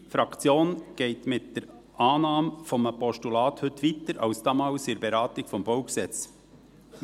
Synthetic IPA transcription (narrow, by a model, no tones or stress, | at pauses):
fɾɑkt͡sjoːnɡ̥ɛɪtmɪt̚d̥əɾ | ʔɑːnɑːmfɔməpɔʃtulɑːt̪hɵtʋitəɾɑ̰wsd̥ɑːmɑlsɪɾbɛɾɑːt̪ɪkfɔmbɔʊksɛt͡s